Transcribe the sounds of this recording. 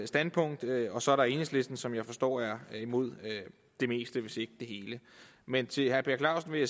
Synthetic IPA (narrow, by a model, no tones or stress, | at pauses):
sd̥ænd̥̚pʰɔ̽ŋ̰d̥ɒ̽sɒ̽æɐɾɑe̝ːnesle̝sd̥n̩sɒ̽mjɑ̈ɪfɒ̽sd̥ɒ̰ːæɐimo̝ð̞̰ˠø | d̥e̝me̝̰ːsd̥əʋe̝se̝ɡ̥əd̥e̝ɦe̝ːlə | ment͡sʰe̝hæɐpʰe̝ɐkʰlɑ̈ʊsn̩ʋe̝ja